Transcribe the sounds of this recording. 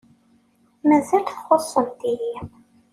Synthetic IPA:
mæzælθχosˤːəmd̪ijiʁ

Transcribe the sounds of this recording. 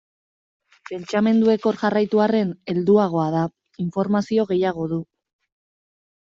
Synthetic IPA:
pe̞nt͡ʃame̞nd̪ue̞ko̞ɾʝarajt̪uare̞ne̞ld̪uaɣ̞o̞að̞a | iɱfo̞ɾmasio̞ɣ̞e̞jaɣ̞o̞ðu

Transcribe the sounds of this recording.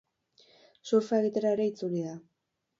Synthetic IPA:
suɾfaeɣit̪e̞ɾaeɾe̞it͡suliða

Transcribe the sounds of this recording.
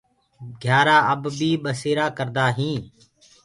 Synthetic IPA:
ɡʱjaːɾaːəbbʱiːɓəseːɾaːkəɾd̪aːɦĩː

